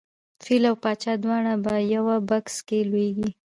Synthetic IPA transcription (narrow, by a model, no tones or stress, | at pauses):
filawpɑt͡ʃɑd̪wɑɳabajawabakskelwweɡi